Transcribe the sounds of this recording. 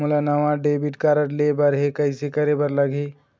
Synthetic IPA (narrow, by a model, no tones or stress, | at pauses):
ulanəʋãɖebiʈkaɾəʈlebəɾɦekəɪsekəɾebəɾləɡʱi